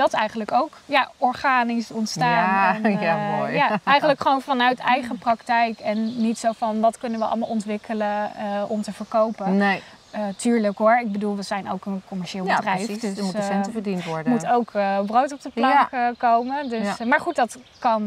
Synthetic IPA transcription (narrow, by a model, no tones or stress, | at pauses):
d̥ɑtɛjχənləkowkjaɔɹχaːnisɔntstaːnnaojjaɛjχənləkχəʋownfɑnœɥtɛjχəprɑktɛjkɛnːitsowfɑnʋɑtkɵnənʋəʔɑ̰lˠmalˠɔntʋɪkʰələɔmtəvəɹkowpəe | tyːɹləkɦʊɹɪɡ̚bədulˠʋəzɛjno̰wkənkɔmɛɹʃɪːlˠbədrɛjdmusɛntəvəɹdintʋɔɹdmutowkbrowtɔp̚dəplɑŋkəkowməndøsmaːɹχut̚dɑtkɑn